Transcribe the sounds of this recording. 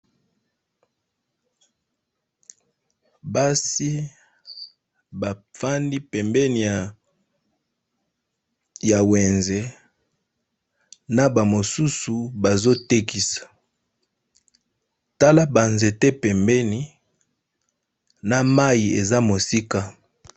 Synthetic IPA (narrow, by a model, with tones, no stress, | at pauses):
ba˦si˦ | ba˨fa˦ndi˦pɛ˨mbɛ˦ni˨ja˨ | ja˨we˨nze˨ | na˦ba˨mo˨su˦su˨ba˨zo˦te˦ki˦sḁ˨ | ta˦la˦ba˨nze˨te˦pɛ˨mbɛ˦ni˦ | na˨ma˦ji˨e˨za˦mo˨si˦ka˦